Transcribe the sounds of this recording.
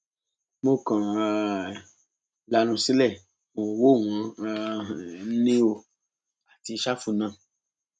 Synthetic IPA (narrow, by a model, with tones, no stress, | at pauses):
mo˦˨kã˨˧ | la˧˦ñũ˧si˦lɛ˦˨ | o˨õ˨wo˦˨w̃ɔ̃˧˦˧ | nĩ˦o˧ | a˨ti˧˦ʃa˦fu˧nã˦˨